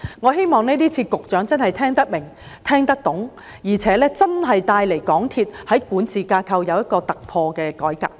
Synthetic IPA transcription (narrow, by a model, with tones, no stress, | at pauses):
ŋɔː˨˧ɦe˥jmɔː˨ŋnɛː˥t̪iː˥t͡sʰiː˧kʊ˨k̚t͡ʃœː˨˥ŋt͡sɐ˥nhɐ˨jt̪ʰɛː˥ŋt̪ɐ˥k̚mɪ˨˩ŋ | t̪ʰɛː˥ŋt̪ɐ˥k̚t̪ʊ˨˥ŋ | jiː˨˩t͡sʰɛː˨˥lɛː˥t͡sɐ˥nɦɐ˨jt̪aː˧jle˨˩jkɔː˨˥ŋt̪ʰiː˧t̚hɐ˨˥jkuː˨˥nt͡sʰiː˨˧kaː˧kʰɐ˧wjɐ˨˧wjɐ˥t̚kɔː˧t̪ɐ˨k̚pʰɔː˧kɛː˧kɔː˨˥jka̰ː˧p̚